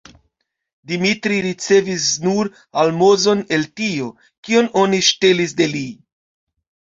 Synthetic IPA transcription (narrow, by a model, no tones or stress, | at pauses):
dimitɾiɾit͡se̞visnuɾ | almo̞zo̞ne̞ltio̞ | kio̞no̞niʃte̞lis̬de̞li